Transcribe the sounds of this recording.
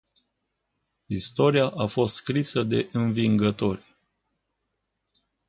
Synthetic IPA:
ist̪o̞ɾiaʔafo̞st̪skɾisəd̪e̞ʔɨnviŋɡət̪o̞rʲ

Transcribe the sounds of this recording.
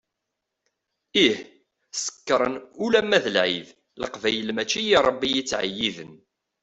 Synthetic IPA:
ih | sə̥kːɾˤənulæmːæðəlʕið | ləqvæjəlmæt͡ʃːijiɾˤəbːijit͡sːʕə̰jːiðən

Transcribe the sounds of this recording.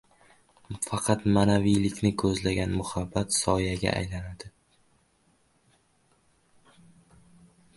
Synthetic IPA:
fɑqʰɑt̪manavijlɪkʲnɪkʰɵzlaɡʲanmʊhabːat̪sɒjaɡʲa̰ʔa̰jlanad̪̥ɪ

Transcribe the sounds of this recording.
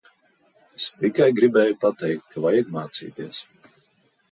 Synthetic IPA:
est̪ikajɡɾibɛːjupat̪ɛjkt̪kʰavajiɡ̪maːt̪sḭːt̪iɛs

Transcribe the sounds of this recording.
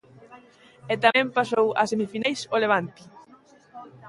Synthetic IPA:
ɛt̪amɛ̃mpasowa̰semifinejsoleβ̞ant̪i

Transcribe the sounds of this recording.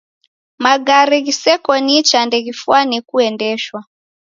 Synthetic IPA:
maɡaɾɛɣisɛkɔnit͡ʃandɛɣifuanikuɛndɛʃwa

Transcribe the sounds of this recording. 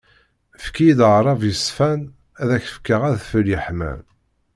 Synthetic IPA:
fkiid̪ɾˤɑvjəsfæn | æðæçə̥fkːəʁæðfəljəħmæ̰n

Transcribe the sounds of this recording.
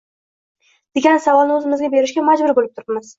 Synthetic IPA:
d̪̥e̞ɡʲansavɒlnɪɵzɪmɪzɡʲabe̞ɾɪʃɡʲamad͡ʒbʊɾbolɪp̚t̪ʰʊɾɪpmɪz̥

